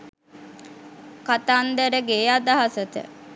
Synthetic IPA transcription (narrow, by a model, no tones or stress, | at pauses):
kat̪aːnd̪əɾəɡeːad̪aɦasət̪ə̰